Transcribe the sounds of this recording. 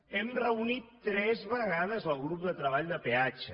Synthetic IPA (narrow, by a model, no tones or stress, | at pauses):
ɛmrəunit̪ːɾɛzβəɣaðəzəlˠɣɾup̚d̪ət̪ɾəβ̞aʎd̪əpeat͡ʃə